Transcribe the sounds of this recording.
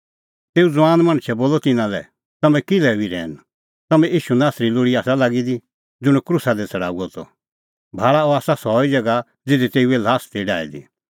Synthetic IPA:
t̪eːud͡zʋaːnmɐ̃ɽ̃t͡ʃʰɛboːlɔt̪ɪnãlɛ̰ | t̪ɐmɛ̃kɪlɛbiɾɛ̰ːn | t̪ɐmɛ̃iːʃunaːsɾiloːɽiaːsalaɡid̪i | d͡zʊɽ̃ɛkɾʊsad̪ɛt͡sʰɐɽa̰ːuɔt̪ɔ̰ | bʱaːɭaɔaːsasɔːid͡zɐɡa | d͡zɪd̪it̪eːuɛlaːst̪iɖa̰ːḭd̪ḭ

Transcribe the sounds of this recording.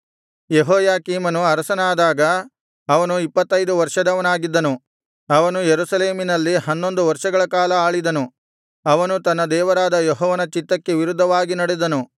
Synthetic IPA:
jeɦoːjaːkiːmɐnuɐɾɐsɐnaːd̪aːɡɐ | ɐʋɐnuipːɐt̪ːɐjd̪uʋɐɾʂɐd̪ɐʋɐnaːɡid̪ːɐnu | ɐʋɐnujeɾusɐle̞ːminɐlːihɐnːo̞nd̪uʋɐɾʂɐɡɐɭɐkaːlɐaːɭid̪ɐnu | ɐʋɐnut̪ɐnːɐd̪ɛːʋɐɾaːd̪ɐjɔɦɔːʋɐnɐt͡ʃit̪ːɐkːe̞ʋiɾud̪ʱːɐʋaːɡinɐɽɛd̪ɐnu

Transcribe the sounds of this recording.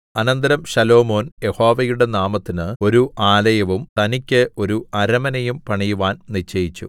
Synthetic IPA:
ɐnɐnd̪ɐɾɐmɕɐlo̞ːmo̞ːnje̞ho̞ːʋɐjuɽe̞naːmɐt̪ːinɨo̞ɾuʔaːlɐjɐʋumt̪ɐnikʲːɨʔo̞ɾuʔɐɾɐmɐnɐjumpɐɳijuʋaːnnit͡ɕːɐjit͡ɕːṵ

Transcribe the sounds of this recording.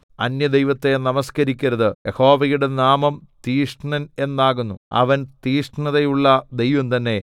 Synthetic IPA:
ɐnjɐd̪ejʋɐt̪ːe̞nɐmɐskɐɾikʲːɐɾɐðɨjʔeho̞ːʋɐjuɽe̞naːmɐmt̪iːʂʈɳɐne̞nːaːɣunːuɐ̰ʋɐnt̪iːʂʈɳɐðɐjuɭːɐd̪ejʋɐmt̪ɐnːe̞

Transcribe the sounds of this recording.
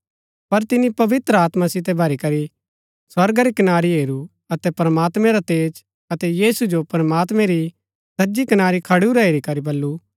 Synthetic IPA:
pɐɾt̪ɪnipɐʋɪt̪ɾəaːt̪mãsɪt̪ɛbʱɐɾikɐɾi | swɐɾɡaɾikɐnaːɾiɦeːɾu | ɐt̪ɛpɾəmaːt̪mɛ̃ɾat̪eːd͡ʒ | ɐt̪ɛjiːsud͡ʒopɾəmaːt̪mɛ̃ɾi | sɐd͡ʒikɐnaːɾikʰɐɽuɾɐeːɾikɐɾibɐlːu

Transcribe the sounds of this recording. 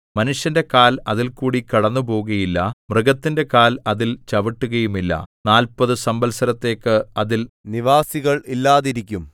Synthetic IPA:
mɐnuʂjɐnde̞kaːlɐðilkuːɽikiɐɽɐnːupo̞ːuɣɐjilːɐmrɨɡɐt̪ːinde̞kaːlɐðilt͡ɕɐʋiʈːuɣɐjumilːɐ̰naːlpɐðɨsɐmbɐlsɐɾɐt̪ːe̞ːkːɨɐðilniʋaːsiɣɐɭilːaːðiɾikʲːum

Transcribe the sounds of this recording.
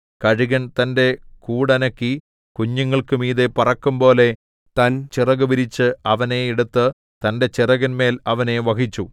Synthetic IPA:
kɐɻiɣɐnt̪ɐnde̞kuːɽɐnɐkːi | kuɲːɐŋːɐɭkɨmiːðepɐrɐkːumbo̞ːle̞ | t̪ɐnt͡ɕirɐɣɐbiɾit͡ɕːɨɐʋɐne̞eɽut̪ːɨ | t̪ɐnde̞t͡ɕirɐɣɐnme̞ːlɐʋɐne̞ʋɐkit͡ɕːu

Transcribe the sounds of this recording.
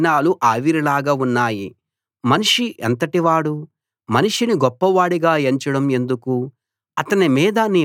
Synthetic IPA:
naːluʔaːʋiɾilaːɡaunːaːji | mɐniʂiʔɐ̰nt̪ɐʈiʋaːɽu | mɐniʂiniɡɔpːɐʋaːɽiɡaːeɲt͡ʃɐɽɐme̞nd̪uku | ɐt̪ɐnimiːd̪ɐni

